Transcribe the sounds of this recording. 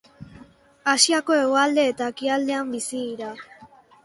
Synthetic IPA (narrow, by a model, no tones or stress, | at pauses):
asiako̞e̞ɣoald̪e̞ːt̪akiald̪e̞ambisiiɾa